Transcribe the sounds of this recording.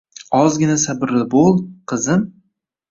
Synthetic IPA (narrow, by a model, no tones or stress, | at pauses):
ɒzɡʲɪnasabɪɾlɪbolˠqʰɨzɪm